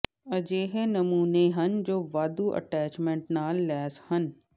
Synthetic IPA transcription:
ɐd͡ʒeːɦenɐmuːneɦɐnd͡ʒoːʋaːd̪uːʔɐ̰ʈɛːt͡ʃmẽːɳʈnaːlːɛːshɐn

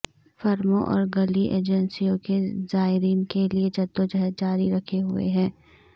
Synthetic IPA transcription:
fɐɾmõʔɔ̰ːɾɡɐliʔeːd͡ʒənsijõkezaːɪɾiːnkeliet͡ʃɐt̪ːõd͡ʒɐɦɛd͡ʒaːɾiɾɐkʰeɦʊḛɦɛ̃ː

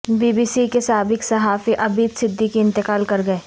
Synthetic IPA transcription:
biːbiːsikesaːbɪksɐɦaːfiʔɐbiːd̪sɪd̪ʱːikiɪ̃nt̪ɪkaːlkɐɾɡɐeː

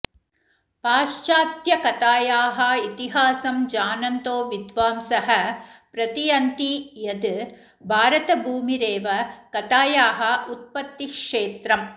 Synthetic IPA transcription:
paːʃt͡ʃaːt̪jɐkɐt̪aːjaːɦɐit̪iɦaːsɐmd͡ʒaːnɐnt̪oːʋid̪ʋaːmsɐɦɐpɾɐt̪ijɐnt̪ijɐd̪ | bʱaːɾɐt̪ɐbʱuːmiɾeːʋɐkɐt̪aːjaːɦɐ̆ut̪̚pɐt̪ːikʂeːt̪ɾɐm

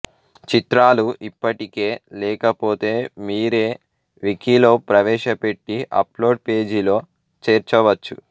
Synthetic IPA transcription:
t͡ʃit̪ɾaːluʔipːɐʈike̞ːlɛːkɐpo̞ːt̪e̞ːmiːɾe̞ː | ʋikilo̞ːpɾɐʋɛːʃɐpe̞ʈːiʔɐ̰plo̞ːɖ̚pe̞ːd͡ʒilo̞ː | t͡ʃeːɾt͡ʃɐʋɐt͡ʃːu

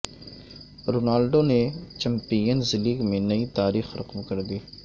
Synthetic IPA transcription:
ɾoːnaːlɖoːnet͡ʃɐ̃mpiːjənzɪliːɡmẽnɐit̪aːɾiːxɾʔɐqmkɐɾd̪iː

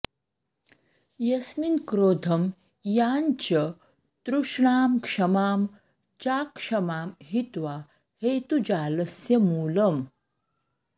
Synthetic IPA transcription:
jɐsminkɾoːd̪ʱɐm | jaːnt͡ɕɐ | t̪ɾuʂɳaːmkʂɐmaːm | t͡ɕaːkʂɐmaːmɦit̪ʋa | heːt̪ud͡ʑaːlɐsjɐmuːləm

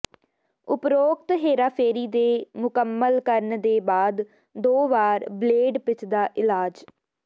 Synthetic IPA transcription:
ʊpɾoːkt̪ɦeːɾaːpʰeːɾiːd̪eːmʊkəmːəlkəɾnd̪eːbaːd̪ | d̪oːʋaːɾbleːɖpɪt͡ʃʰd̪aːʔɪlaːd͡ʒ

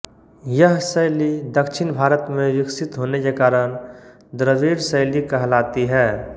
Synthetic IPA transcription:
jəɦsəjlid̪əkʃʰɪnbʱaːɾət̪mẽʋɪksɪt̪ɦoːnekekaːɾəñ | d̪ɾəʋiːɾsəɪlikɐɦlaːt̪iɦɛː

